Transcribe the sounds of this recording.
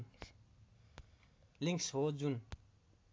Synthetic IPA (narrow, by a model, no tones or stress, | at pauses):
liŋksɦod͡zun